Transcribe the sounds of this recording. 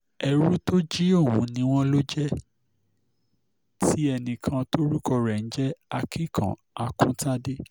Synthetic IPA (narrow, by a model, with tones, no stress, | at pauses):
ɛ˧ɾu˦to˦d͡ʒi˦o˦˨wũ˨˦nĩ˧w̃ɔ̃˦lo˦d͡ʒɛ˦ | ti˦ɛ˧nĩ˧kʰã˧to˦ɾu˦kɔ˧ɾɛ˨n̩˦d͡ʒɛ˦a˧ki˦˨kʰã̰˨ | a˧kũ˦ta˦de˦